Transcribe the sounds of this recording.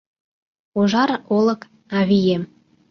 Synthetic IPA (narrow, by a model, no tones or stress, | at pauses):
oʒɑɾolə̆k | ɑβijem